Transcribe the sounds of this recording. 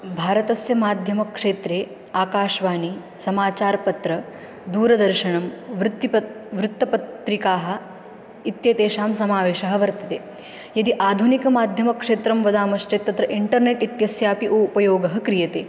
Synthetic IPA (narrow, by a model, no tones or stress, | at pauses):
bʱaːɾɐt̪ɐsjɐmaːd̪ʱjɐmɐkʂeːt̪ɾeː | aːkaːʃʋaːni | sɐmaːt͡ʃaːɾpɐt̪ɾɐ | d̪uːɾɐd̪ɐɾʃɐɳɐmʋɾut̪ːipɐʋɾut̪ːɐpɐtt̪ɾikaːɦɐ̆ | it̪jeːt̪eːʃaːmsɐmaːʋeːʃɐɦɐʋɐɾt̪ɐt̪eː | jɐd̪iʔaːd̪ʱunikɐmaːd̪ʱjɐmɐkʂeːt̪ɾɐmʋɐd̪aːmɐʃt͡ʃet̪ːɐt̪ɾɐʔiɳʈɐɾneʈit̪jɐsjaːpiʔupɐjoːɡɐɦɐkɾijɐt̪eː